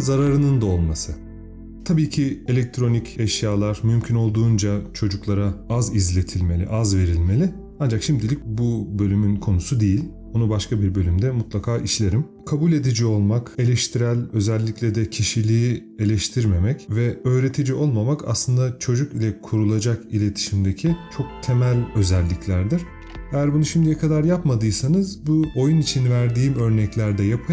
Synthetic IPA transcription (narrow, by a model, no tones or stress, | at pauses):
zaɾaɾɯnɯnd̪ao̞lˠmasɯ | t̪ʰabiːcʰie̞lʲɛc̚t̪ʰɾo̞nicʰɛʃjaːlˠaɾmymcʰyno̞lˠd̪uːnd͡ʒat͡ʃʰo̞d͡ʒuklˠaɾaazizlʲe̞t̪ʰilʲme̞lʲḭʔazve̞ɾilʲmelʲɪ | and͡ʒakʃimd̪ilʲic̚bubø̞lʲymynkʰo̞nusud̪ejilʲ | onubaʃkʰabiɾbø̞lʲymd̪ɛmut̪lˠakʰaːʔiʃlʲe̞ɾim | kʰabulʲe̞d̪id͡ʒio̞lˠmake̞lʲɛʃt̪ʰiɾælʲø̞zɛlʲːiclʲɛd̪ɛcʰiʃilʲiːie̞lʲɛʃt̪ʰiɾme̞mɛcvɛø̞ːɾe̞t̪ʰid͡ʒio̞lˠmamakʰa̰slˠɯnd̪at͡ʃʰo̞d͡ʒukilʲɛkʰuɾulˠad͡ʒakilʲe̞t̪ʰi̥ʃimd̪ecʰit͡ʃʰo̞k̚t̪ʰe̞mælʲø̞zɛlʲːiclʲæɾd̪iɾ̥ | ejæɾbunuʃimd̪ijɛkʰad̪aɾjapmad̪ɯsanɯzbuo̞junit͡ʃʰinvæɾd̪iːmø̞ɾnɛclʲæɾd̪ɛjapʰɯ